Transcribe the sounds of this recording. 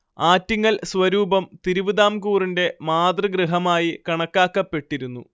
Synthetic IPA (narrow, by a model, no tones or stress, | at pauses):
aːtːiŋːɐɭsʋɐɾuːbɐmt̪iɾuʋiðaːmkuːrinde̞maːd̪rɨɡrɨɦɐmaːjikɐɳɐkːaːkːɐpːe̞ʈːiɾunːu